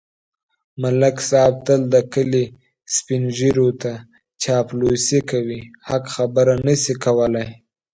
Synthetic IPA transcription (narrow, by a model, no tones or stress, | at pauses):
malaksɑb̚t̪əld̪əkəli | spinʒiɾot̪a | t͡ʃɑplosikawihakxabəɾanəsikawəlaj